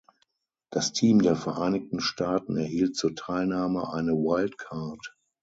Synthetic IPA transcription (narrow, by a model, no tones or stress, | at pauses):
d̥astʰiːmdeːɐfɛɐʔaɪnɪk̚tn̩ʃtaːtn̩ɛɐhiːlt̚t͡suːɐtʰaɪlnaːməʔaɪnəwaɪltkʰaɐt